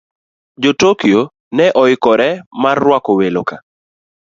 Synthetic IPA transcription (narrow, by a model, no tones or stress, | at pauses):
d͡ʒotokio | nɛʔɔɪkɔɾɛmarːwakɔweloka